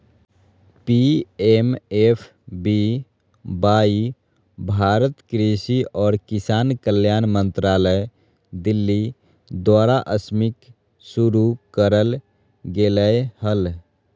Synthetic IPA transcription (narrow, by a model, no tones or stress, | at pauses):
piemepʰ | bi | bai | bʱaɾət̪kɾisiɔːɾkisankəljanmənt̪ɾaləj | d̪ilːi | d̪waɾaʔəsmik | suɾukəɾəl | ɡeləhəl